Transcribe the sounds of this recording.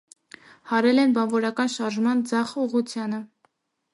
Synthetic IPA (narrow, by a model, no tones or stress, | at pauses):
hɑɾɛlɛnbɑnvɔɾɑkɑnʃɑɾʒmɑnd͡zɑχuʁut͡sʰjɑnə